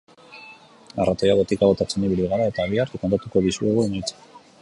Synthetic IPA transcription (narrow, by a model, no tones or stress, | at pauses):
a̰rat̪ojaɣot̪ikaɣ̞o̞t̪at͡seniβiliɣ̞aɾae̞t̪aːβ̞iaɾt̪ukant̪at̪uko̞ðisueɣoemajt͡se̥